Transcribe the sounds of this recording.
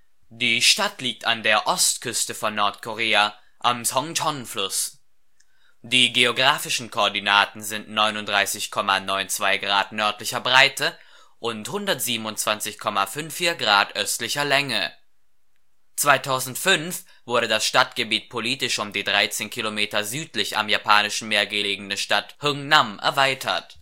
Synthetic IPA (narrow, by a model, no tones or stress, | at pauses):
d̥iːʃtatliːk̚tandeːɐʔɔstkʰʏstəfɔnːɔɐtkʰoʁeːa | ʔamsɔŋtʰɔnflʊs | d̥iːɡeoɡʁaːfɪʃn̩kʰoːɐdinaːtn̩zɪntnɔʏnʊntd̥ʁaɪsɪçkʰɔmanɔʏnt͡sv̥aɪɡʁaːtnœɐtlɪçɐbʁaɪtə | ʔʊnthʊndɐtz̥iːbm̩ʊntt͡sv̥ant͡sɪçkʰɔmafʏnfːiːɐɡʁaːtʔœstlɪçɐlɛŋə | t͡sv̥aɪtʰaʊzn̩tfʏnf | v̥ʊɐɾədasʃtatɡ̥əbiːt̚pʰoliːtɪʃʊmdiːdʁaɪt͡seːnkʰilomeːtɐzyːtlɪça̰mjapʰaːnɪʃn̩meːɐɡəleːɡŋ̩əʃtathʊŋnamʔɛ̰ɐvaɪtʰɐ̰t